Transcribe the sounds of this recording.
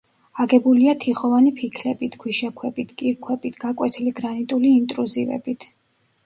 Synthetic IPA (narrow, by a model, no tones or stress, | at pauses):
aɡɛbuliat̪ʰiχɔvanipʰikʰlɛbit̪ʰɡʰwiʃakʰwɛbʼit̪ʰkʼiɾkʰwɛpʼit̪ʰɡ̥akʼwɛt̪ʰiliɡɾanit̪ʼuliːnt̪ʼɾuzivɛ̰bit̪ʰ